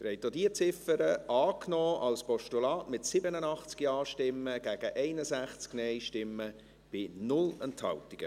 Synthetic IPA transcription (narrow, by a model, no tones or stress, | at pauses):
ɾɛɪtːodiət͡sɪfəɾəʔɑːknɔːʔɑlspɔʃtulɑːtmɪtsɪbənənɑχt͡skiɑːʃtɪmːəɡ̥æːɡ̥əʔɛɪnəsæχt͡sknɛɪʃtɪmːə | b̥ɪnʊlənthɑ̰ltiɡ̥ə